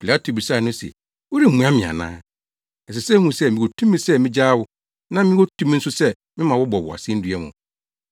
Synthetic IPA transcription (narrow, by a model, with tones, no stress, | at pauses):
pʰi˨la˦tʰo˨bi˨sa˦˨nʊ̃˦sɛ̰˨ | wo˦ɾi˦m̩˨mũ˦ã˦mɪ̃˨a̰˨nã̰ː˦ | ɛ˨sɪ˨sɛ˦hũ˦sɛ˦mĩ˨o˨tʰũ˦mːĩ˦sɛ˦mɪ̃˦d͡ʑaː˦wʊ˦ | nã˦mɪ̃˦wo˦tʰũ˦m̃˦n̩˦sʊ˦sɛ˦ | mɪ̃˦mã˨wɔ˦bɔ˨wʊ˨a̰˨sɛ̃˦n̩˦dɥɛ˦hʊ̰̃˨